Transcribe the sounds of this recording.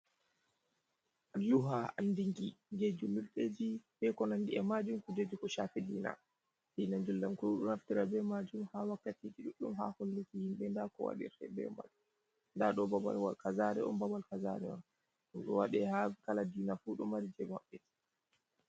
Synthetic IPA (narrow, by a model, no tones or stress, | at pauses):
luɦaandiŋɡid͡ʒed͡ʒumilɗed͡ʒifɛkɔnandiɛmad͡ʒumkud͡ʒed͡ʒukɔʃaːfidiːna̰ | d̥iːnad͡ʒulːamkuɗunhaftiɾabɛmad͡ʒumhawakːatikiɗuɗumha̰holːikihimɓɛndakɔwa̰ɗḭɾɛ̰bɛ̰ma̰ɗ | ndaɗɔbaba̰lwa̰lkazaɾɛʔɔ̰nbawalkaza̰ɾɛɔ̰n | ɗumɗɔwaɗɛhakaladiːnafuɗumaɾid͡ʒɛmaɓːɛti̥